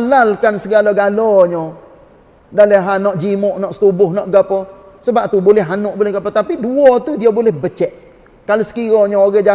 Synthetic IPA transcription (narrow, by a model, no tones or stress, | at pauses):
alalkansəɡalaɡalɔɲɔ | daləɦanɔʔd͡ʒimʊʔnɔʔsə̥t̪ubʊhnɔʔɡəpɔ | səbap̚t̪ubolɛɦanʊʔbolɛhɡapət̪apiduɔt̪udiabolɛhbət͡ʃɛʔ | kalosə̥kiɾɔɲɔoɡad͡ʒa